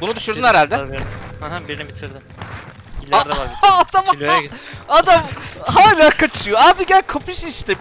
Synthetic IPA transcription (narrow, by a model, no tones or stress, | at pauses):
bunud̪uʃuɾd̪uneɾalʲd̪ɛhɛɦbiɾinɛbit̪ʰiɾd̪ɪ | iad̪ːd̪am | ad̪amɦaːlʲaːkʰat͡ʃʰɯjoaːbiɟælʲkʰapɯʃiʃt̪ʰɛ